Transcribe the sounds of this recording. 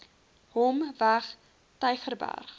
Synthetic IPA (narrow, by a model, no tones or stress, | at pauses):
hɔmvæχ | təjχərbæ̰rχ